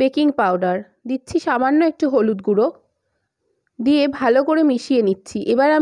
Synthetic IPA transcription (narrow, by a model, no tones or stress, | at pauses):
bekiŋpawɖaɾ | d̪itːɕʰiʃamanːoek̚ʈiɦolud̪ɡuɾo | d̪iebʱalokoɾemiʃienitːɕʰiʔebaɾa